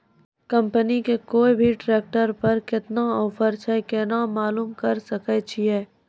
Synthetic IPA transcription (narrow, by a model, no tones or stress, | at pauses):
kɐ̃mpənikekoːibʱiʈɾeːk̚ʈəɾpɐɾkɪt̪naɔːfəɾt͡ʃʰɛkenamaːluːmkɐɾsɐkɛt͡ʃʰiɛː